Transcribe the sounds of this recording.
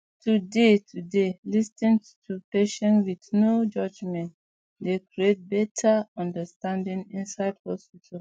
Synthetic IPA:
tʰudetʰudelistĩn | tʰupeʃɔ̃nwidnod͡ʒɔd͡ʒmɛ̃nt | dekɹiet̚bɛtʰaɔ̃ndəstãndĩŋĩnsaɪdhɔspitʰa

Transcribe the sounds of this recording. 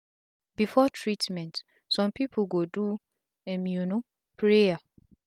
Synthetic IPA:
bifɔtʰɹitmɛ̃nt | sɔ̃mpipʰoɡodu | ẽmĩuno | pʰɹeja

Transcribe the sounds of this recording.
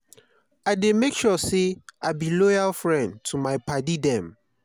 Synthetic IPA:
aɪdemekʃɔseabilɔjalfɹɛ̃ntʰumaɪpʰadidɛ̃m

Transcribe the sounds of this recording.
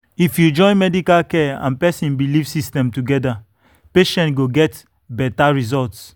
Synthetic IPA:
ifjud͡ʒɔ̃ɪ̃nmɛdikalkɛã̰npɛsĩnbilivsistɛ̃mtuɡɛda | peʃɛ̃ntɡoɡɛt | bɛtaɹizɔlts

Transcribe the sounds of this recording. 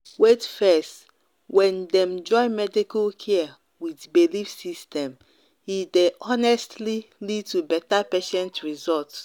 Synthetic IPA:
wetfɛst | wɛ̃ndɛ̃md͡ʒɔ̃ɪ̃mɛdikalkʰɛ | widbilifsistʰɛ̃m | hideʔɔnɛstlilid̚tubɛtapɛʃɛ̃ntɹizɔlts

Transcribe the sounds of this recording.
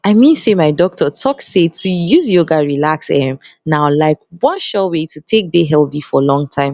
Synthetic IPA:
aɪmĩnsemaɪdɔk̚tʰətʰɔksetʰujuzjoɡaɹilaksɛmnaʊlaɪk̚wʌ̃nʃɔwetʰutʰek̚deɦɛlθifɔlɔ̃ŋtʰãɪ̃m

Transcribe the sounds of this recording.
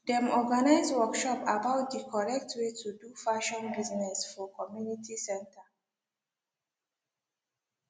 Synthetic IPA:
dɛ̃mɔɡanaɪzwɔkʃɔpabaʊt̚dikʰɔɹɛk̚tʰwetʰudufaʃɔ̃nbiznɛsfɔkʰɔmjunitʰisɛ̃ntʰə

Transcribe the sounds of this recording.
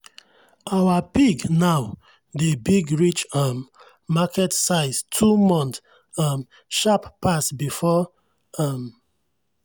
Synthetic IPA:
awapiɡnaʊ | debiɡɹit͡ʃamː | akɛtsaɪstʰumɔ̃nt | am | ʃappasbifɔ | am

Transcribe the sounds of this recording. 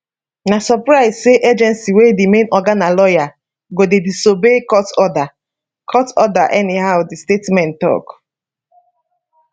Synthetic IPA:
nasɔpɹaɪzseʔed͡ʒɛ̃nsiwedimẽnɔɡanalɔja | ɡodedisobekɔtɔda | kʰɔtɔdaʔɛnihaʊdistetmɛ̃ntɔ̰k

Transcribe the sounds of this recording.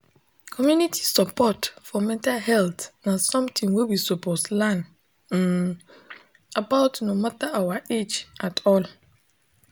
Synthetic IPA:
kʰɔmjũnitʰi̥sɔpʰɔtfɔmɛ̃ntʰalhɛltnãsɔ̃mt̪ʰɪ̃ŋwilbisɔpʰɔslãn̩ | abaʊtnomatʰaʔawaed͡ʒatʰɔl

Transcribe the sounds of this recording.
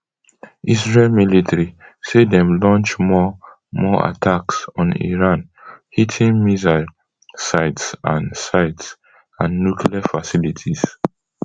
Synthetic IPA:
ʔisɹelmilitʰɹisedɛ̃mlɔ̃nt͡ʃmɔ | mɔa̰tʰaksɔ̃nḭɹãnhitʰĩŋmiza | saɪtsãnsaɪts | ãnːukʰliafasilitʰiz̥

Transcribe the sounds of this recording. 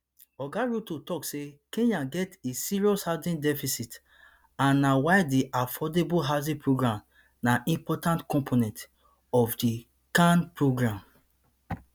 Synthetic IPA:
ɔɡaɹutotɔksekẽɲaɡɛtesiɹiɔshadĩndɛfisit | ãnːawaɪdiʔafɔdebuɦazĩpʰɹoɡɹãm | naĩmpɔtãntkɔ̃mpʰonɛ̃nt | ɔfdi | kãnpɹoɡɹãm

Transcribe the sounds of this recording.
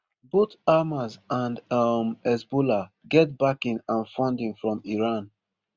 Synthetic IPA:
botamazãndʌmɛzbola | ɡɛt̚bakɪ̃nãnfɔ̃ndɪ̃ŋfɹɔ̃miɹãn

